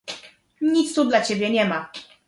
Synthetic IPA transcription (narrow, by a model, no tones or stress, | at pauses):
ɲit̪st̪ud̪lat͡ɕebʲjɛɲɛma